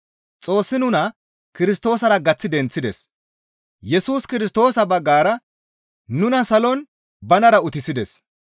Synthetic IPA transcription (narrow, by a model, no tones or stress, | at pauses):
t͡sʼo̞ːsːɪnʊnɐ | kɪɾɪst̪o̞ːsɐɾɐɡɐt͡sːɪd̪ɛnt͡sːɪd̪ɛs | jɛsuːskɪɾɪs̬t̪o̞ːsɐbɐɡːaːɾɐ | nʊnɐsɐlɔn | bɐnɐɾɐʊt̪ɪsɪd̪ɛs